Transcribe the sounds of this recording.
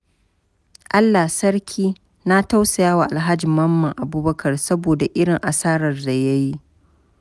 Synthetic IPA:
ʔa˦lːa˨hsɐ˦ɽkʲʰiː˦ | na˦ta˦wsa˨jaː˦wa˨ʔa˨lɦa˦d͡ʒi˨mːɐ˦mːɐ˨ŋʔa˨buː˦bɐ˦kʰɐ˨rsɐ˦boː˨da˨ʔɪ˦ɽɪ˨ŋʔa˨saː˦ɾɐ˨rda˨jɐ˦ji˦ʔ

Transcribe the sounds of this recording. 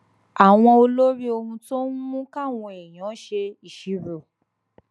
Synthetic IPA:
a˨w̃ɔ̃˧o˧lo˦ɾi˦o˧hũ˧to˦n̩˦mũ˦ka˦˨w̃ɔ̃˧e˨j̃ɔ̃˨˦ʃe˧i˨ʃi˨˦ɾo˨

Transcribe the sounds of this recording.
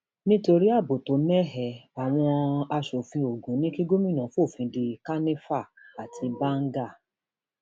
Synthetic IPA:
nĩ˦to˧ɾi˦a˦˨bo˨to˨˦mɛ˦ɦɛ˨a˨w̃ɔ̃˧a˧ʃo˨fĩ˧o˨ɡũ˨˦nĩ˦ki˦ɡo˦mĩ˦˨nã˨˦fo˦˨fĩ˧de˧ka˦ne˦fa˦˨ka˨tʰi˧ba˦ŋ̩˦ɡa˦˨

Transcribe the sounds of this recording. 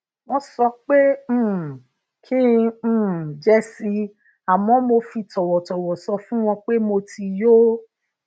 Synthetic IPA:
wɔ̃˧sɔ˧k͡pẽ˦˨ | kʰĩ˦˨ | d͡ʒɛ˦si˧ | a˨mɔ̃˦mo˧fi˧tɔ˨wɔ˨tɔ˨wɔ˨sɔ˧fũ˦w̃ɔ̃˧k͡pe˦mo˧ti˧jo˦

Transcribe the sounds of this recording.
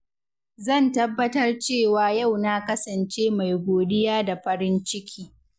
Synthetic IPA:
zɐ˦˨ntɐ˦bːɐ˦tɐ˦rt͡ʃeː˦˨waː˨ja˦˨wnaː˦kɐ˦sɐ˨nt͡ʃeː˦ma˨jɡʷoː˨ɗɪ˦jaː˦da˨ɸɐ˦ɾɪ˦nt͡ʃɪ˦kʲʰiː˦

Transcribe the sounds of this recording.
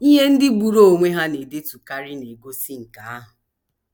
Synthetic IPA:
i˦ɦe˦n̩˦dɪ˦ɡ͡bu˨ɾo˦o˨ŋʷe˦ɦa˦ne˨de˦tu˨ka˦ɾɪ˦ne˨ɡo˦si˦ŋ̩˨ka˨a˦ɦʊ˨

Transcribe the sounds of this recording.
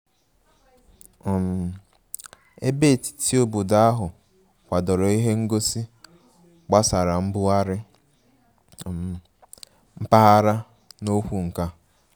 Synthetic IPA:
m̩˨ | e˦be˦˨ti̥˨ti˦o˦bu˨da˦ɦʊ˨ | kʷa˨dɔ˨ɾɔ˨i˦ɦe˦ŋ̩˦ɡo˦si˦ | ɡ͡ba˦sa˨ɾa˨m̩˦bʊ˦a˦ɾɪ˦˨ | m̩˦pa˦ɦa˦ɾa˦ | no˦kʷu˨ŋ̩˨ka˦

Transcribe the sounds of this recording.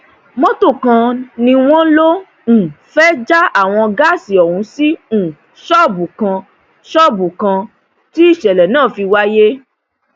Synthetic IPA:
mɔ̃˦to˦˨kã˧nĩ˧w̃ɔ̃˦lõ˦˨ | fɛ˦d͡ʒa˦a˦˨w̃ɔ̃˧ɡa˦˨si˨ɔ˨ɾũ˨˦sĩ˦˨ | ʃɔ˦˨bu˨kã˧ | ʃɔ˦˨bu˨kã˧ | ti˦i˦˨ʃɛ˨lɛ˨nãː˦˨fi˧wa˦je˦

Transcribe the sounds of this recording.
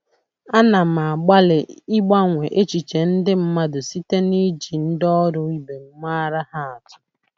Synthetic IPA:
a˦na˨ma˨a˨ɡ͡ba˦lɪ˨i˦ɡ͡ba˦ŋʷe˨ʔe˦t͡ʃi˨t͡ʃe˨n̩˦dɪ˦m̩˦ma˦dʊ˨si˦te˦ni˦d͡ʒi˨n̩˦dɔ˦ɾʊ˦i˦be˨ŋ̩˦ma˦a˦ɾa˦ha˦a˨tʊ̥˦

